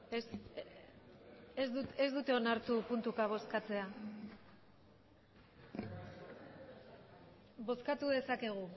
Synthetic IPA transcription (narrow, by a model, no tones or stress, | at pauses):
es | ezuezd̪ut̪e̞o̞naɾt̪upunt̪ukaβ̞o̞skat͡se̞a | βo̞skat̪uðe̞sake̞ɣ̞u